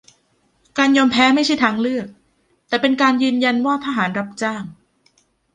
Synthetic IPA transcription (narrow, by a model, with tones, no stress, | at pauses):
kaː˧njɔː˧mpʰɛː˦˥ma˥˩jt͡ɕʰa˥˩jt̪ʰaː˧ŋlɯ˥˩ək̚ | t̪ɛː˨˩pe˧nkaː˧njɯː˧nja˧nwaː˥˩t̪ʰa˧ɦaː˩˦nɾa˦˥p̚t͡ɕaː˥˩ŋ